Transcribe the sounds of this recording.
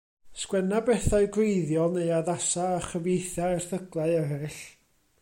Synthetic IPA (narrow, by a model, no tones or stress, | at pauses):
skwɛnabɛθaɨɡweɨðjɔlˠneɨjaðasaːχəvjejθaɛrθəɡlˠaɨɛɾɪɬ